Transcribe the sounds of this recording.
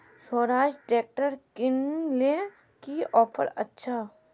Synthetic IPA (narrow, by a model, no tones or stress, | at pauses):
swɔːɾaːʃʈɖɾeːk̚ʈəɾkɪnle | kiɔːpʰə̰ɾɐ̰tːʃʰa